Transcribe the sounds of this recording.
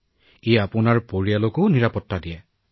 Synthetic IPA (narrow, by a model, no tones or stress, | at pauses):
eapʊnaɹpoɹijalokoniɹapɔtːadiɛ